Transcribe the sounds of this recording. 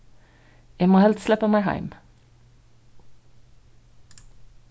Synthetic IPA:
jæmoːhɛlt̪slɛpəmæɪhæ̰ɪm

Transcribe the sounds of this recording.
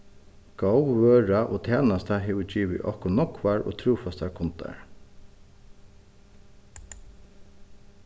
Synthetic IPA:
ɡ̥awʋøːɹaʔoːt̪ʰɛːnast̪aɦɛːʋʏd͡ʒiːʋɪ̰ʔɔ̰hkɔnɔkʋaɹʔo̰ːt̪ʰɾuːfast̪aɾkʰɔnt̪ʰa̰ɹ

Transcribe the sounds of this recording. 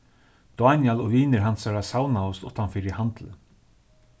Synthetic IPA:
d̪̥oanjɛlɔviːnɪɾɦansaɾasaːwnaʊst̪ʊt̪ːanfɪɾɪhant̪lə

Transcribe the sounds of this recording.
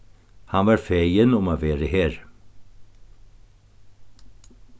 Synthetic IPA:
hanvɑɾfejənʊmaːʋeːɾəheːɾ

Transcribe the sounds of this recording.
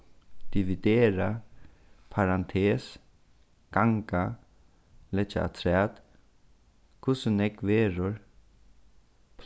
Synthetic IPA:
d̪̥iʋid̪eːɾa | pʰaɾant̪ʰeːs | ɡ̥aŋka | lɛt͡ʃa̰a̰t̪ʰɾɛːt̪ | kʰʊsənɛkʋeːɾʊɹ | pʰ

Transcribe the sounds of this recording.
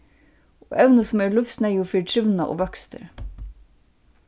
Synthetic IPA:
o̰ːʔɛʋnəsm̩eːɭʉft̪snæɪʊfɪːʈʰɾʏʋnɑʔo̰ːʋœkst̪ə̰ɾ

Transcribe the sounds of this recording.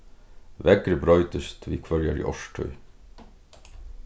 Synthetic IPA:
ʋɛɡɾəbɾœʏt̪əst̪ʰʋiːkʰʋœɹjəɾḭːʔɔʃʈʰœ̰ʏ

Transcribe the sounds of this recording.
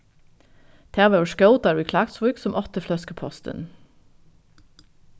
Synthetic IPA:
d̪̥ʰæːʋɑʊʃkəʊt̪ɑɹɪkʰlɑːkt̪sʋuːksɔmʔɔt̪əflɔskəpʰɔst̪ə̰n

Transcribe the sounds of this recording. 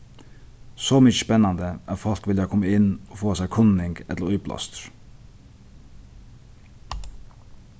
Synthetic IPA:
sɔmʏt͡ʃəspɛnːand̪əæfɔl̥kʋɪljakʰɔmːəɪnɔfoːasæɪkʰʊnɪŋɡɛt̪ləɾʊblɔ̰st̪ɾ

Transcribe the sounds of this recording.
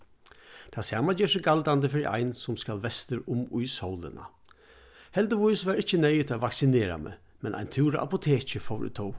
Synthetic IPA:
t̪ʰaːsaːmad͡ʒɛːʂəɡald̪and̪əfɪɾḭʔa̰ɪnsʊmskalʋɛst̪əɾʊmʊjshɔwlə̰na̰ | hɛld̪əʋʊʏsʋæːɾɪçənɛjət̪ʰaʋaksɪneːɾa̰mɛ̰ | mɛnʔa̰ɪjnt̪ʰɪːɾəʔa̰pʊt̪ʰeːt͡ɕəfɔwɾʏ̰t̪ʰɔw

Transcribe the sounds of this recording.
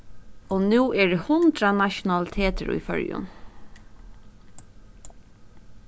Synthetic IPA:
onuːʔɛɖɛhʊnd̪ɾanaʃʊnɑlɪt̪ʰeːt̪əɹṵjfœ̰ɹjʊ̰n

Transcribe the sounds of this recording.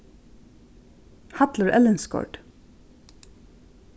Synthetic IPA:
hɑt̪ləɹʔɛlənskɔ̰ɖ̥

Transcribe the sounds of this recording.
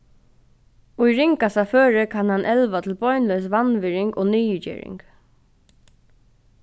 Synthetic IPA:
ʊjɹɪŋkasaføːɹɪkʰanhanʔɛlʋat̪ʰɪlbɔʏnlœs̬ʋanʋɪɹɪŋkoːniːəd͡ʒḭːɹɪ̰ŋk

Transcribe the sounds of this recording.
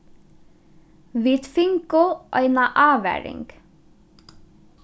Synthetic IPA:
ʋiːt̪fɪŋkʊʔœʏnɑʔɑːʋæ̰ːɹɪ̰ŋɡ̥

